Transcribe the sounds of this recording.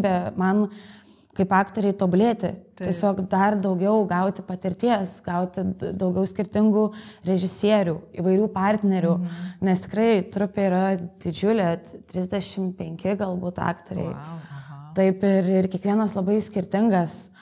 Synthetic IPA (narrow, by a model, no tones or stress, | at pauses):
bʲɛmɐn | kɐɪpɑːkt̪oːɾʲɛɪt̪oːbʊlʲeːt̪ʲɪ̰t̪ʲiɛsʲoːkd̪ɐrd̪ɐʊɡʲɛʊɡɐʊt̪ʲɪpɐt̪ʲɪɾʲt̪ʲiɛsɡɐʊt̪ʲɪd̪ɐʊɡʲɛʊsʲkʲɪɾʲt̪ʲɪŋɡuːɾʲɛʒʲɪsʲiɛɾʲuːiʋɐɪɾʲuːpɐɾʲt̪ʲnʲɛɾʲuːnʲɛst̪ʲɪ̥kɾɐɪt̪ɾʊpʲeiɾɐd̪̥ʲɪd͡ʒʲʊlʲɛt̪ʲɾʲɪzʲd̪ʲɛʃʲɪmpʲɛŋʲkʲɪɡɐlˠbuːt̪ɑ̰ːkt̪oːɾʲɛ̰ɪ | t̪ɐɪpɪɾɪrkʲiɛkʋʲiɛnɐslˠɐbɐɪsʲkʲɪɾʲt̪ʲɪŋɡɐs